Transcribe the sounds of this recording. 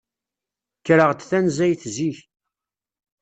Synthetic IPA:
kːɾəʁd̪θænzæjθziç

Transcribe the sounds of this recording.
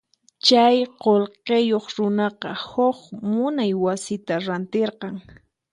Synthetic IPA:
t͡ʃajqolqejoχɾʊnɑqɑhoχmʊnajwasɪt̪aɾant̪eɾqɑŋ

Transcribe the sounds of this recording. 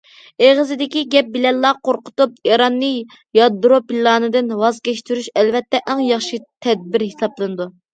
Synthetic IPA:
eʁəzɪd̪ɪkʲiɡʲɛp̚bɪlɛlːɑːqoɾqʊt̪up̚iɾɑnːɨ | jɑd̪ɾopilːɑːnɨd̪ɨnwɑzɡʲɛʃt̪yɾyʃɛlvɛt̪ʰːɛʔɛŋjɑχʃit̪ʰɛd̪̚biɾhesɑblˠɨnɨd̪u

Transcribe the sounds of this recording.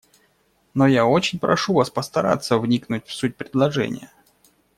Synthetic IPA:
nojaot͡ɕɪnʲpɾʔɐ̰ʂuvaspəst̪ɐɾa̰t̪sːəvnʲiknʊt̚ʲfsut̚ʲpɾʲɪd̪lˠɐʐɛ̰nʲɪ̰jə

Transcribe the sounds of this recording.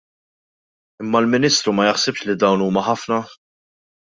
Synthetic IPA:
ɪmːɐlmɪniːst̪ɾumɐjɪħsɪpʃlid̪ɐwnuːmɐħɐfnɐ

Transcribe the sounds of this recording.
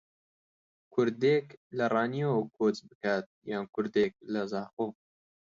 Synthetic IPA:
kʰʊɾd̪eːklɐrɑːnijokʰoːt͡sbɨkaːt̪̚jaːnkʰʊɾd̪eːk̚lɐzaːxoː

